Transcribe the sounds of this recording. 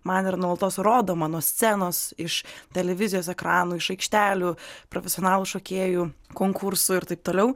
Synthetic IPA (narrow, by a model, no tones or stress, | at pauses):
mɐnɪɾnulˠt̪oːsɾoːd̪oːmɑːnoːsʲt͡s̪ʲæːnoːsɪʃt̪ʲɛlʲɛʋʲɪzʲɪjoːsɛkɾɑːnuːɪʃɐɪkʃʲt̪ʲæːlʲuːpɾofʲɛsʲoːnɑːlˠuʃoːkʲeːjuːkoːŋkʰʊɾsʊɪɾt̪ɐɪp̚t̪oːlʲɛʊ